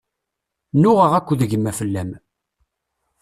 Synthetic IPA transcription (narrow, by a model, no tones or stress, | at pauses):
nʊʁəʁækʷːðəʝəmːæfəlːæm